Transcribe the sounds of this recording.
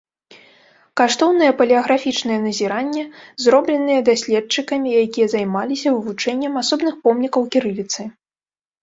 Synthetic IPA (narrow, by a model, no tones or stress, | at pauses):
kaʂt̪ɔwnɨjɛpɐlʲiɐɣɾafʲit͡ʂnɐjɛnɐzʲiɾanʲːɛzɾɔblʲɛnɨjɛd̪asʲlʲɛt̪t͡ʂɨkɐmʲijakʲijɐzajmalʲisʲɐvɨvut͡ʂɛnʲːɛmasɔbnɨxpɔmnʲikɐwkʲiɾɨlʲit̪sɨ